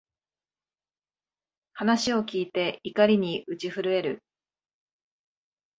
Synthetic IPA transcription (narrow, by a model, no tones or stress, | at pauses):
hanaɕio̞kʲiːt̪e̞ikaɾʲiɲ̟iʔɯ̟t͡ɕiɸɯ̟ɾɯ̟e̞ɾɯ̟